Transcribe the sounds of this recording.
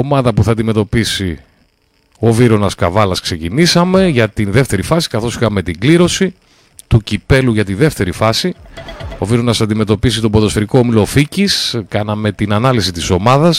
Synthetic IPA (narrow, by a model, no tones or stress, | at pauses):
omɐðɐpuθɐːd̪ime̞t̪o̞pisi | o̞viɾo̞nɐskɐvɐlɐskse̞cinisɐme̞ʝɐt̪inðe̞ft̪e̞ɾifɐsi̥kɐθo̞sixɐme̞t̪iɡliɾo̞si | t̪ucipe̞luʝɐt̪iðe̞ft̪e̞ɾifɐsio̞viɾo̞nɐsɐd̪ime̞t̪o̞pisit̪o̞boðo̞sfeɾikoomilo̞ficiskɐnɐme̞t̪inɐnɐlisit̪iso̞mɐðɐs